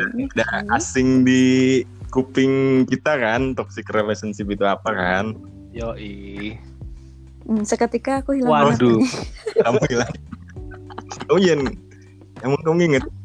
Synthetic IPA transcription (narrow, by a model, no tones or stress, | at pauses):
adaasɪŋdi | kupɪŋkit̪akant̪ɔksikrelɛsənsipit̪uapakan | joʔi | səkət̪ikaːkuhilaaɾdukamuilaŋ | kamud͡ʒan | jamuŋkumuŋiŋət̪̚